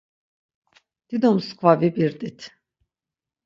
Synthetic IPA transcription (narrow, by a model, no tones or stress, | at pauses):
d̪̥id̪ɔmskʰvavibiɾd̪it̪ʰ